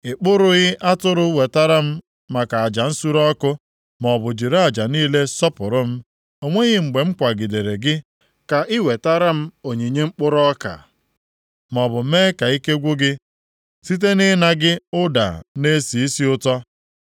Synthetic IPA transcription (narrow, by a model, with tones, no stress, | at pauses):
ɪ˨k͡pʊ˦ɾʊ˦ɣɪ˦ʔa˦tʊ˦ɾʊ˦we˨ta˦ɾa˦m̩˦ | ma˨ka˨a˨d͡ʒa˨n̩˦su˦ɾɔ˦kʊ˦ | mɔ˨bʊ˨d͡ʒi˨ɾa˦a˨d͡ʒa˨niː˦le˦sɔ˦pʊ˨ɾʊ˦m̩˦ | o˨ŋʷe˦ɣɪ˦ŋ͡m̩˨ɡ͡be˨ŋ͡m̩˦kʷa˨ɡɪ˨de˨ɾe˨ɡɪ˦ | ka˨ʔɪ˦we˨ta˦ɾa˦m̩˦o˨ɲe˨ɲe˦ŋ͡m̩˦k͡pʊ˦ɾɔ˦ka̰˨ | mɔ˨bʊ˨meː˦ka˨i˦ke˦ɡʷʊ˦ɡɪ˦ | si˦t̬e˦nɪ˦na˦ɡɪ˦ʊ˦da̰˨ne˦si˨i˦si˦ʊ˦tɔ˦